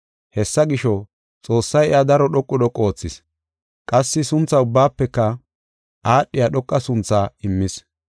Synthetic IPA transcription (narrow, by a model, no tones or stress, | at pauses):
hɛsːɐɡɪʃɔ | t͡sʼo̞ːsːɐjɛjad̪ɐɾɔɗɔkʼːʊd̪ɔkʼːo̞ːt͡sːɪs | kʼɐsːɪsʊnt͡sːɐʊbːaːpːɛkːɐ | ʔaːɗːɪjaɗɔkʼːɐsʊnt͡sːaɪmːɪs